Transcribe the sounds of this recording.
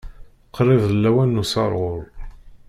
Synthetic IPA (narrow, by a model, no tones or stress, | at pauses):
qʰːɾˤɪðˤəlːæwænːusɑ̰ɾˤʁʊɾˤ